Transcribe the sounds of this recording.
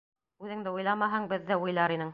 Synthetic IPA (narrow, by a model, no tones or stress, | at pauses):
ʉðɘ̆ŋd̪ɘujlˠɑmɑɦɑŋbɘ̆ðːɘujlˠɑɾinɘŋ